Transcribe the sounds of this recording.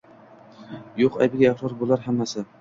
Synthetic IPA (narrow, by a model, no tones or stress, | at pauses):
joqa̰bɪɡʲaaχɾɒɾbolˠaɾɦamːasɪ